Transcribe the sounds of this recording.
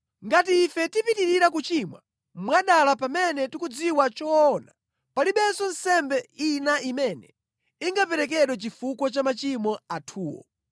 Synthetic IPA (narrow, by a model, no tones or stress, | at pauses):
ŋɡat̬iːfɛtipitiɾiɾakut͡ʃimwa̰ | mwaɗalapamɛnɛtikud͡ziwat͡ʃɔːna | paliɓɛsɔnsɛmbɛinaʔimɛnɛ | iŋɡapɛɾɛk̬ɛɗwɛt͡ʃifukɔt͡ʃamat͡ʃimɔatʰuːwɔ̰